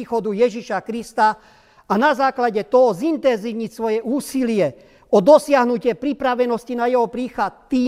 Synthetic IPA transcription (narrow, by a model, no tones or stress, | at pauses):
iːxɔd̪ujɛʒiʃakɾist̪a | anazaːklaɟɛt̪ɔɦɔzint̪ɛnziʋɲicsʋɔjɛʔuːsilɪɛ | ɔd̪ɔsɪaɦnucɪɛpɾipɾaʋɛnɔscinajɛɦɔpɾiːxat̪ːiː